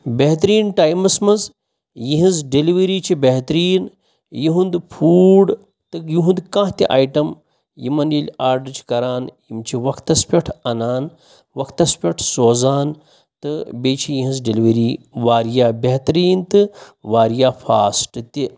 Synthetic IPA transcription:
beɦt̪ɾiːnʈaːjmɐsmɐz | jiɦĩzɖeliʋɐɾiːt͡ʃʰibeɦt̪ɾiːn | jiɦund̪ɨpʰuːɽ | t̪ɨjiɦũnd̪kãːɦt̪ʲiʔa̰ːjʈɐm | jimɐnjilʲaːɾɖt͡ʃʰi̥kɐɾaːnjimt͡ʃʰiʋɐkʰt̪ɐspʲɐʈʰɐnaːn | ʋɐkʰt̪ɐspʲɐʈʰsoːzaːn | t̪ɨbeːt͡ʃʰijiɦĩzɖeliʋeɾiːʋaːɾjaːbeɦt̪ɾiːnt̪ɨʋaːɾjaːfʰa̰ːsʈɨt̪i

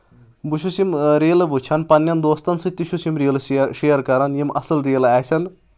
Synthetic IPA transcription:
buʃusimɾeːlbʱut͡ʃʰɐnpɐnjɐnd̪oːst̪ɐnsɨt̪ːiʃusimɾeːlʃejɐɾkɐɾɐnjimʔɐsɐlɾeːlaːsʰɐn

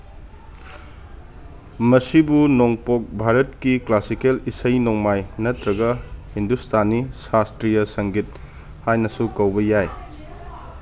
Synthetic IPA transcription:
mɐsibunoŋpok̚bʱaɾɐtkiklasikelisɐjnoŋmajnɐtɾɐɡɐhindustʰanisastɾijɐsɐŋɡit̚ | hajnɐsukɐwbɐjaj

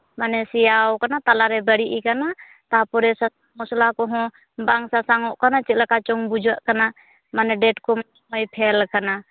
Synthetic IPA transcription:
manɛsiawkanat̪alaɾɛbaɾiʔikana | t̪apɔɾɛsasaŋmɔslakɔɦɔ̃ | baaŋsasaŋɔʔkanat͡ʃiʔlakat͡ʃɔŋbud͡ʒuaʔkana | manɛdɛt̚kɔman | ɔjpʰɛlkana

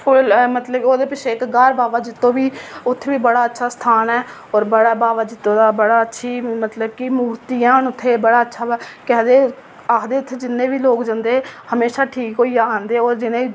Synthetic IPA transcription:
pʰʊlmət̪ləbkoːd̪eːpɪʃeːkɡaːɾbaːʋaːd͡ʒɪt̪ːõːbiːʊt̪ʰːeːʋiːbəɽaːətːʃʰaːst̪ʰaːnɛː | ɔːɾbəɽaːbaːʋaːd͡ʒɪt̪ːõːd̪aːbəɽaːətːʃʰiːmət̪ləbkimuːɾt̪iːãːnʊt̪ʰːeːbəɽaːətːʃʰaːkɛːd̪eː | aːkʰd̪eːʊt̪ʰːeːd͡ʒɪnːẽːʋiːloːkd͡ʒand̪eːhəmeːʃaːʈʰiːkɦoːiːaːaːnd̪eːoːɾd͡ʒɪnẽːiː

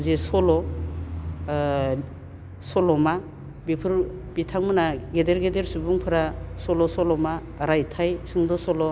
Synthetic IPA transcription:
zesɔlɔ | sɔlɔma | bipʰɯɾ | bitʰaŋmɯnaɡedeɾɡedeɾsubuŋpʰɯɾasɔlɔsɔlɔma | ɾajtʰajsɯŋdɔsɔlɔ

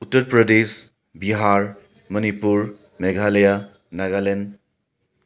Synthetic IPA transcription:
utːɐɾpɾɔdes | biɦaɾ | mɐnipuɾ | meɡʱaleja | naɡalen

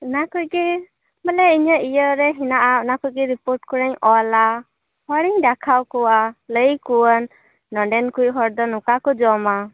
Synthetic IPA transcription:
ənakujɡɛ | bəlɛiɲaʔijəɾɛɦinaʔaɔnakujɡɛɾipɔɾʈ̚kɔɾaɲɔla | hɔɾiŋɖakʰawkɔwaləjkuwənː | ɔɖɛnkujɦɔɾd̪ɔnukakɔd͡ʒɔma

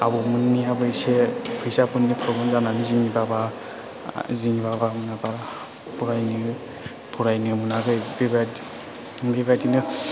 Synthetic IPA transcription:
a̰bɔmɯnːiabɯjsepʰɯjsapɯnːipʰɾɔɡɔmzananiziŋibaba | ziŋibabamɯnabaɾ | pʰuɾajnɯ | pʰuɾajnɯmɯnaɡɯjbeba | bebadinɯ

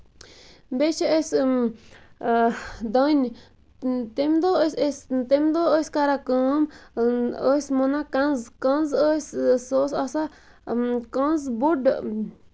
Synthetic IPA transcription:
mbet͡ʃees | d̪õn | t̪emd̪osest̪emd̪ooskaɾakũm | osmõnãkãnzkãnzossosasa | kõnzbuɖ

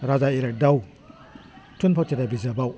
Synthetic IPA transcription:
ɾazaiɾek̚daw | tʰunpʰaw̚tʰedabizabaw

